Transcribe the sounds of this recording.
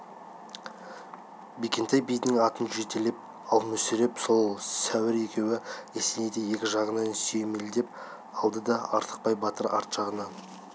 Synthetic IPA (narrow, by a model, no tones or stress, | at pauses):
bekʲe̞nt̪ʰɑjbijd̪ɪŋɑt̪ənʒet̪elep̚ | ɑlˠmɵsɪɾe̞pso̞lˠsæwɪɾekʲʰe̞wɪesened̪eje̞kʲɪʒɑʁənɑnsejmeld̪e̞p | ɑlˠd̪əd̪ɑʔɑɾt̪ʰə̥q̚pɑjbɑt̪əɾɑ̰ɾt̪ʒɑʁənɑ